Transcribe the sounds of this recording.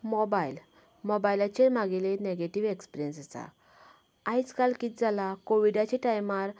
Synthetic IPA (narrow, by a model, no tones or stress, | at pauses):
mɔbail | mɔbajlat͡ɕeɾmaɡeleneɡeʈiʋekspiɾjənsasa̰ | ajt͡skalkit̪̚d͡zalakoʋiɖat͡ɕeʈajmaɾ